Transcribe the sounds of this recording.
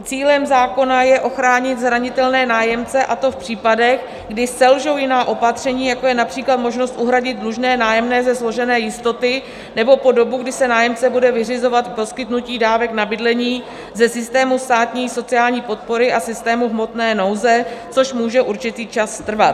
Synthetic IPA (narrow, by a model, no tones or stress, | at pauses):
t͡siːlɛmzaːko̞najɛʔo̞xɾaːɲɪt̪zɾaɲɪt̪ɛlnɛːnaːjɛmt͡sɛʔat̪o̞fpr̝̥iːpadɛx | ɡdɪsɛlʒowjɪnaːʔo̞pat̪r̝̥ɛɲiːjako̞jɛnapr̝̥iːklat̪mo̞ʒno̞st̪ʔuɦɾaɟɪd̪̚dluʒnɛːnaːjɛmnɛːzɛzlo̞ʒɛnɛːjɪst̪o̞t̪ɪ | nɛbo̞po̞do̞buɡdɪsɛnaːjɛmt͡sɛbudɛvɪrɪzo̞vat̪po̞skɪt̪nuciːdaːvɛknabɪdlɛɲiː | zɛsɪst̪ɛːmust̪aːt̪ɲiːso̞t͡sɪjaːlɲiːpo̞t̪̚po̞ɾɪʔasɪst̪ɛːmuɦmo̞t̪nɛːno̞wzɛt͡so̞ʃmuːʒɛʔuɾt͡ʃɪt̪iːt͡ʃasːt̪r̩vat̪